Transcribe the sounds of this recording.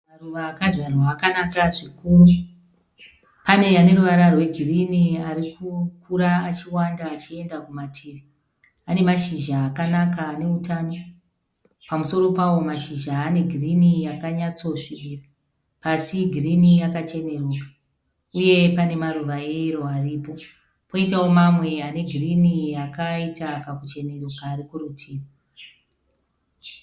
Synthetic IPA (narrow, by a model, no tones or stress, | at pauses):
maruʋaːkad͡ʒwarwaːkanakaʐikuːru | pane̞jane̞ɾuʋaɾarwe̞ɡʱiriniaɾikukʰuɾaːt͡ʃiwandaːt͡ʃie̞ndakumatʰiːʋi | ane̞maʃiʒaːkanakaːne̞utaːno̞ | pamuso̞ɾo̞pawo̞maʃiʒaːne̞ɡʱirinijakaɲat͡so̞ʂiʋira | pasiɡʱirinijakat͡ʃe̞ne̞ruːkḁ | uje̞pane̞maruʋaeiɾo̞ariːpo̞ | po̞itawo̞mamwe̞ane̞ɡʱirinijakaitakakut͡ʃe̞ne̞rukaːɾikurutʰiːra